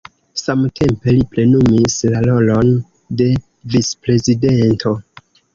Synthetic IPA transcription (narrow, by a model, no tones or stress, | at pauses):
samtʰe̞mpe̞liple̞numislalo̞lo̞n | de̞ | vispɾe̞zide̞ntʰo̞